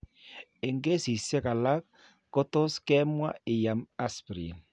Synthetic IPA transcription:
e˨ŋɡe˦si˨sɛ˦ka˨la˦k̚ː | ɔ˦tɔ˦skɛ˦mwa̰˦ɪ˨ja˨ma˦spɾḭ˨n

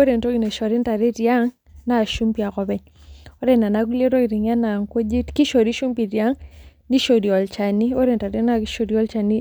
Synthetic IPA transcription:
o˦ɾe˨nto˦ɡi˨ne˨ʃɔ˨ɾɪ˦nta˨ɾe˦tja˦ŋ | na˦˨ʃu˦mpi˨a˨kɔ˨pɛ˦ɲ | o˦ɾɛ˦na˨na˦k̬u˦le˦ɾo˦i˨ɾi˨ŋa˦na˨ŋko˦d͡ʒi˦tki˦ʃo˨ɾi˦ʃu˦mpi˨tja˦ŋni˦ʃo˨di˨ɔ˨lt͡ʃa˨ni˦o˦ɾe˨nta˨ɾe˦na˦ʃo˨djɔ˦lt͡ʃa˨ni˦

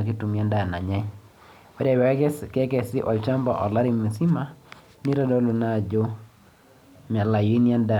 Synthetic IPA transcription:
a˨k̬i˦tu˨mja˦nda˨na˨ɲɛ˦ɲ | wɛ˦ɾɛ˨wɛ˨˦kɛ˦kɛ˨sɪ˦ʔɔ˨t͡ʃa˦mbɔ˨ʔɔ˨la˦ɾi˨mi˨si˦ma˦ | ni˦ɾɔ˦dɔ˦lo˨na˦˨d͡ʒo˦ | m˨a˨la˨ji˦ni˦a˦nda˦˨

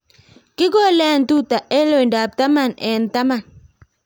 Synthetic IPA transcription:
kɪ˦ɡɔ˦lɛ˦˨ntu˦˨ta˨ʔɛ˦lo˦˨nda˨p̚ta˦ma˦˨nɛ˨nta˦ma˦˨n

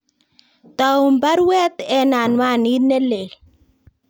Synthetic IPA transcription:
t̪a˨u˨mba˦ɾwɛ˦t̪ɛ˦na˨nwa˦˨ni˦ne˦le˨l

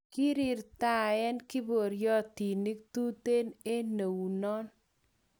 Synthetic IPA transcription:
ki˦ɾɪ˨ɾt̪a˦˨ɛ˦nkɪ˦bo˨ɾjɔ˦t̪i˨ni˦k̚t̪u˦t̪e˦ne˦ne˨wu˨nɔ˦n

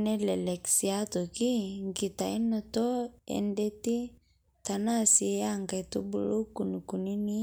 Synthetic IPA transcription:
nɛ˦lɛ˨lɛ˨ksi˨a˦t̪o˨ki˦ŋɡi˨t̪a˨i˦nɔ˦t̪ɔ˦ɛ̰˨ndɛ˦t̪i˦ | t̪a˨na˦˨si˨˦a˦˨ŋɡa˨t̪u˦bu˦lo˦ku˨nu˨ku˨ni˦ni˦

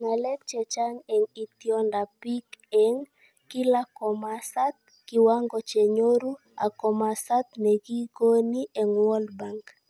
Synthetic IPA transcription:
ŋa˨lɛ˦k̚t͡ʃɛ˨t͡ʃa˦ŋɛ˨ŋi˨t̪jɔnda˨pi˦kɛŋ | ki˦la˦kɔ˨masa˦t̪̚ | ki˨waŋɡɔt͡ʃɛ˨ɲo˦ɾu˦ | a̰˨kɔ˨ma˨sa˦t̪̚nɛ˨ki˦ko˦ni˦ʔɛ˨ŋwɔ˦lba˨ŋk

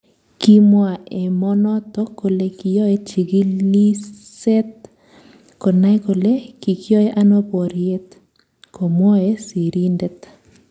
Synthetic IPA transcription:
ki˦mwa˨e˨mɔ˦nɔ˦t̪ɔ˦ko˨le˨ki˨jɔ˦e˦t͡ʃi˨ɡi˦i˦se˦t̪̚ | ko˨na˦jko˨le˦ki˨kɪ˦ɔ˦e˦ʔa˦no˦pɔ˨ɾje˦t̪ | ko˨mɔ˦e˦si˨ɾi˦ndɛ˦t̪

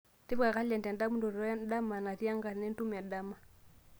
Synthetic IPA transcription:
ti˦βa˨ka˦lɛ˨ntɛ˨nda˦mu˦ndɔ˨ɾɾɔ˦a˦n˦da˦ma˨na˨ti˦a˦ŋɡa˨nɛ˦ntu˦m˨a˨da˦ma˨

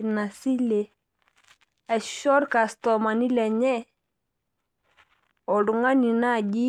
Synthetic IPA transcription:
na˨si˦le˨ | a˨ʃɔ˦ɾka˨sto˨ma˨ni˦le˨ɲɛ˦ | o˨du˨ŋa˦ni˨na˦˨ɟi˦

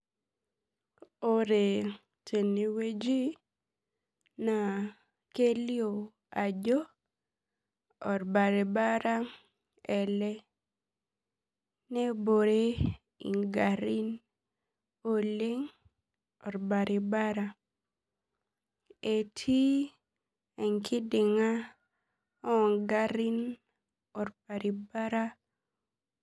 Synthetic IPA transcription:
o˦˨ɾe˨ | tʰe˨ni˨we˦d͡ʒi˦ | na˨ | ke˦ljo˨ | a˨d͡ʒɔ˦ | ɔ˨ɾba˨ɾe˨ba˦ɾa˦ | ɛ˨lɛ˦ | nɛ˦bo˨ɾe˦ | ḭ˨ŋɡa˨ɾi˦n | o˨le˦ŋ | ɔ˨ɾba˨ɾʔi˨ba˦ɾa˦ | e˨tʰi˦ | ɛ˨ŋkʰɪ˦dɪ˨ŋa˦ | ɔ˦˨ŋɡa˦ɾi˦n | ɔ˨ɾba˨ɾi˨ba˦ɾa˦

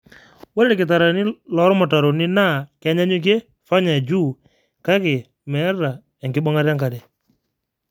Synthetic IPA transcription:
wɛ˦ɾɾkɪ˨t̬a˨ɾa˨nɪ˦lɔ˨˦ɾmʊ˨ta˨ɾo˨nɪ˦na˦˨ka˨˦ɲa˦ɲʊ˦k̬e˦ | fa˦ɲa˨d͡ʒu˦˨ | ka˦kɪ˨ | mɛ˨˦ɾa˨ | ɛ˨ŋkɪ˦bɔ˦ŋa˦ɾja˦ŋka˨dɛ˨

